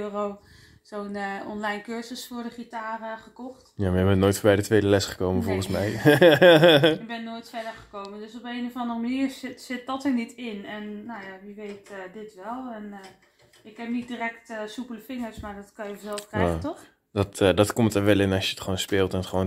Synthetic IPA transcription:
øːro | z̥ownəɔnlɛjnkøɹzəsfʊːɹdəχitaːrəχəkɔχtjaːmajbɛnnoːjtfbɛjdətʋejdəlɛsχə̥kowmənvɔlˠχənsmɛj | ɪɡ̚bɛnːoːjtfɛdəɹχə̥kowməndøsɔpejnovɑndərəmaniːɹɪtsɪt̚dɔtəɹnitɪnɛnːowjaʋiʋejtədɪtʋɛlˠɛn | ɪkɛpnit̚diːrɛktəsupələfɪŋəɹsmaɹdɔtkɑnjəvzɛlˠfkrjaɣətɔx | dɔtdɑtkɔmtəɹʋɛlˠɪnɑsjəətχʋownspɪːlˠtɛnətχəʋon

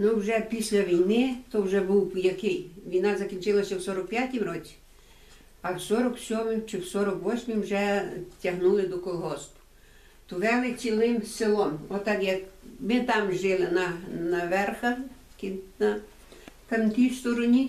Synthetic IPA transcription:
nuwʒɛpʲisʲlʲɐʋʲijnɪt̪ɔwʒɛbuwjɐkɪjʋʲijnɑzɐkʲinʲt͡ʃɪlˠɐsʲɐwsɔɾɔk̚pjatʲimɾɔt͡sʲi̥ | ɐwsɔɾɔksʲɔmɪmt͡ʃɪwsɔɾɔkʋɔsʲmɪmwʒɛtʲɐɦnulˠɪd̪ɔkɔlˠɦɔst̪ʊ̥ | t̪ɔʋɛlˠɪt͡sʲilˠɪmsɪlˠɔmɔt̪ːɑkjɐkmɪt̪ɑmʒɪlˠɪnɐnɐʋɛrxɐ | kinɐ | kɐmt̪ʲist̪ɔɾɔnʲi

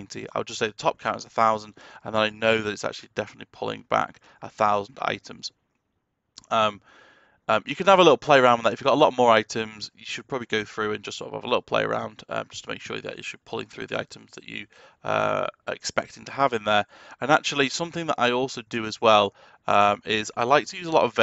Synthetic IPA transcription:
ɪ̃ntʰḭa̰ɪlˠd͡ʒʌseɪðətʰɒp̚kʰãʊ̃ntɪzəθaʊzə̃nd̥ə̃nðə̃naɪnoʊðəɾɪtsa̰k̚t͡ʃʉl̩ˠidɛfənəʔˡlipʰʊlˠɪ̰̃ŋba̰k | əθaʊz̃n̩da̰ɪtʰə̃mz̥ | ʌ̃m | ʌ̃mjɨkə̃nəvəlɪtˡl̩ˠpʰl̥eɪəɹãʊ̃nðətɪfjəɡɒtəlɒʔmɔːɹaɪtʰə̃mzjəʃəd̚pʰɹ̥ɒbəbliɡoʊθɹʉːə̃nd͡ʒʌsɔ̰ɾəvə̰vəlɪtl̩ˠpʰl̥ḛɪə̰ɹʔã̰ʊ̃nd̥ʌ̰md͡ʒʌstʰəmeɪkʃɔ̰ːɹðə̰t͡ʃɨ̰ʃəd̚pʰʊlˠɪ̰̃ŋθɹʉ̰ːðḭa̰ɪtʰə̃mzðət͡ʃə̰ʌ̰ɛ̰kspɛk̚tɪ̃ŋtʰəəvɪ̃nðə˞ə̃nak̚t͡ʃʉl̩ˠisʌ̃mθɪ̃ŋðəɾʔa̰ɪɔˑlˠsoʊdɨəzwɛlˠ | ʌ̃mɪzaɪlaɪk̚tʰəjʉːzəlɒ̰təv

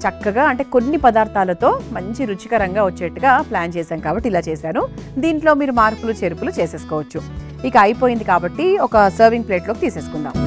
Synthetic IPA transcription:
t͡ʃɐkːɐɡaːɐɳʈe̞ːko̞nːipɐd̪aːɾt̪ʰaːlɐt̪o̞ːmɐɲt͡ʃiɾut͡ʃikɐɾɐŋɡaːʋɐt͡ʃːɛːɐʈːuɡaːplaːnt͡ʃɛːsaːnkaːbɐʈːilaːt͡ʃeːsaːnud̪iːɳʈloːmiːɾumaːɾpulut͡ʃeɾupulut͡ʃeːse̞ːsu̥kɔːʋɐt͡ʃːu | ikɐɐjpo̞ːjind̪ikaːbɐʈːiɔkɐsɐːɾʋiŋɡpleːʈlo̞ːkit̪iːseːsu̥kuɳɖa̰ːm

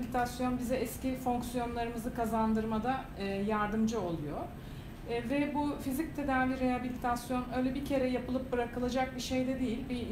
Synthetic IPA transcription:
lʲit̪ʰasjo̞nbizɛɛscifo̞ŋksyjo̞nlˠaɾɯmɯzɯkʰazand̪ɯɾmad̪a | jaɾd̪ɯmd͡ʒɯo̞lˠujo̞ | vɛbufizic̚t̪ʰe̞d̪aːvʲiɾeabilʲit̪ʰasjo̞nø̞jlʲɛbicʰe̞ɾɛjapɯlˠɯp̚bɯɾakɯlˠad͡ʒak̚biʃe̞jd̪ɛd̪ijilʲbi

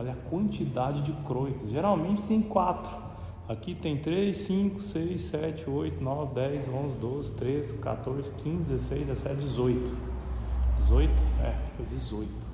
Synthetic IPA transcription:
ɔʎɐkwɐ̃nt͡ʃid̪ad͡ʒɪd͡ʒɪkɾojkɪsʒeɾawmẽt͡ʃɪ̥t̪ẽj̃kwat̪ɾʊ | akit̪ẽj̃t̪ɾesĩkʊsejsɛt͡ʃɪojt̪ʊnɔvɪd̪ɛjzõzɪd̪ozɪt̪ɾezɪka̰t̪oɾzɪkʰĩzdɪd̪zɪzesejzdɛesɛt͡ʃd͡ʒɪzojt̪ʊ̥ | d͡ʒɪzojt̪ʊ̥ɛ̰fojd͡ʒɪzojt̪ʊ̥

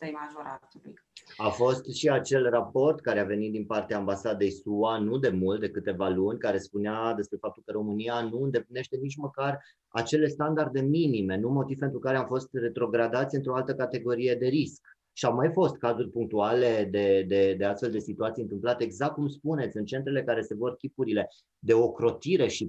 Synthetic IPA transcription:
maʒoɾa | afo̞st̪ʃiat͡ʃe̞lrapo̞rt̪kaɾeave̞nit̪̚d̪inpart̪eaːmbasad̪e̞jsuanud̪e̞mult̪̚d̪ekɨt̪e̞valunʲkaɾe̞spunead̪e̞spɾe̞fap̚t̪ulkəɾo̞mɨnianuɨnd̪e̞pline̞ʃt̪e̞nit͡ʃməkar | a̰t͡ʃe̞le̞st̪and̪ard̪e̞minime̞numo̞t̪ivpet̪ɾukaɾeamfo̞st̪re̞t̪ɾo̞ɡɾad̪at̪sʲɨnt̪ɾo̞alt̪əkat̪e̞ɡo̞ɾije̞d̪e̞ɾisk | ʃiawmajfo̞st̪kazurʲpuŋk̚t̪uale̞d̪e̞d̪e̞d̪e̞ast̪fe̞ld̪e̞sit̪uat̪sijɨnt̪ɨmplat̪e̞ːɡzak̚t̪̚kumspune̞t̪sʲɨnt͡ʃe̞nt̪ɾe̞lekaɾe̞se̞vo̞rkʲipuɾile̞ | d̪e̞o̞kɾo̞t̪iɾe̞ʃi

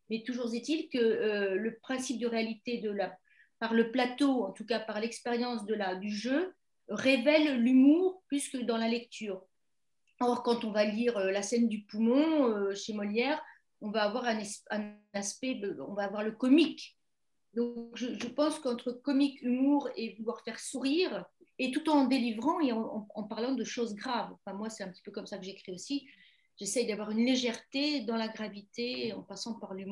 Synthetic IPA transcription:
mɛt̪uʒuʁzet̪ilkəøləpχɛ̃sip̚d̪əʁealit̪ed̪əla | paʁləplat̪oɑ̃t̪ukapaʁlɛkspeʁjɑ̃sd̪əlad̪yʒø | ʁevɛlːymuːʁplyskəd̪ɑ̃lalɛk̚t̪ʰyːʁ | ɔʁkɑ̃t̪ɔ̃valiʁølasɛnd̪ypumɔ̃øʃemɔljɛʁ | ɔ̃vaːvwaʁɛ̃nɛsɛ̃naspɛdəɔ̰̃vaːvwaʁləkɔmik | d̪ɔ̃kʒəʒəpɑ̃skɑ̃t̪χəkɔmikymuʁevulwaʁfɛʁsuʁiːʁet̪ut̪ɑ̃d̪elivʁɑ̃eɑ̃ɑ̰̃ɑ̃paʁlɑ̃d̪əʃozɡʁavɑ̰̃fɛ̃mwasɛt̪ɛ̃pət̪i̥pøkɔmsakəʒekχiosi | ʒ̥esɛjd̪avwaʁynleʒɛʁt̪ed̪ɑ̃laɡʁavit̪eɑ̃pasɑ̃paʁlymu

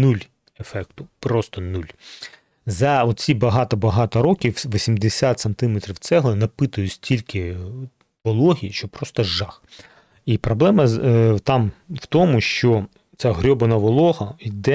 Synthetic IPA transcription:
nulʲ | efɛkt̪ʊpɾɔst̪ɔnulʲ | zɐɔt̪̚t͡sʲibɐɦɑt̪ɐbɐɦɑt̪ɐɾɔkʲiwʋɔsʲimd̪esʲat̪sent̪ɪmɛt̪ɾʲiwt̪sɛɦlˠɐnɐpɪt̪ʊjʊsʲtʲilʲkɪ | ʋɔlˠɔɦʲiʃt͡ʃɔpɾɔst̪ɔʒɑx | ipɾɔblˠɛmɐt̪ɑmwt̪ɔmʊʃt͡ʃɔ | t͡sʲaɦɾʲɔbɐnɐʋɔlˠɔɦɐid̪ɛ

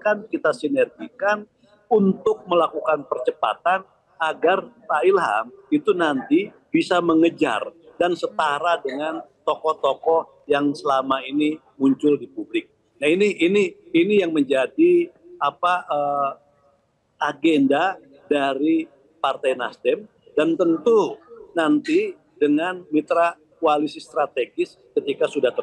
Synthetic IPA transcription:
kankit̪asinɛrɡikan | unt̪ʊk̚məlakukanpərt͡ʃəpa̰t̪an | aɡarsaɪlɦa̰mit̪unant̪i | b̥isaməŋəd͡ʒa̰rdansət̪aɾadəŋant̪ɔkɔht̪ɔkɔh | jaŋsəlamaini | muɲt͡ʃʊldipublɪk̚ | nainiːniːnijaŋməɲd͡ʒadiapaʔə | aɡenda | daɾi | part̪ajnast̪ɛm | dant̪ənt̪unant̪i | dəŋanmit̪ɾa | kualisist̪ɾat̪eɡɪs | kət̪ikasudaht̪ə

